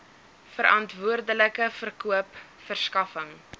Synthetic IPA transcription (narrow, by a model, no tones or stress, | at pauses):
fəɾʔɐntvuərdələkəfərkuəp | fərskɐfəŋ